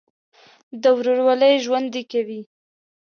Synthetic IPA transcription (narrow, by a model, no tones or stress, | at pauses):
d̪əwɾoɽwaləjʒwand̪ekawi